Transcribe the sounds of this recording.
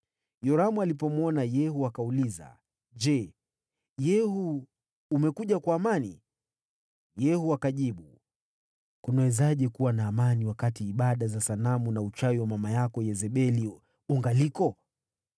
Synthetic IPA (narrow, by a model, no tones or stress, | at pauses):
jɔɾamualipɔmɔnajɛhuakauliza̰ | ʄɛ | jɛhuː | mɛkuʄakwaːmanḭ | jɛhuakaʄiɓu | kunawɛzaʄɛkuwanaːmaniwakatiːɓaɗazasanamunaut͡ʃawiwamamajakɔjɛzɛɓɛli | uŋɡalikɔ